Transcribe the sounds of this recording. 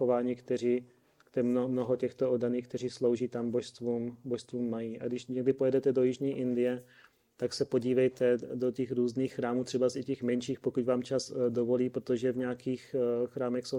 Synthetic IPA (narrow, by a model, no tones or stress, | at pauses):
ovaːɲiːkt̪ɛriː | kt̪ɛmomnoɦocɛxt̪oodːaniːxk̚t̪ɛriːslo̞wʒiːt̪amboʃst̪vuːmboʃst̪vuːmːajiːʔa̰ɡdɪʃɲɛɡ̚dɪpojɛdɛt̪ɛdo̞jɪʒɲiːʔɪndɪjɛ | t̪aksɛpo̞ɟiːvɛjt̪ɛdocɛxɾuːzniːxːɾaːmuːt̪r̥ɛbasɪcɛxmɛnʃiːxpo̞kucvaːmt͡ʃazdovo̞liːpɾot̪oʒɛvɲɛakiːxxɾaːmɛxso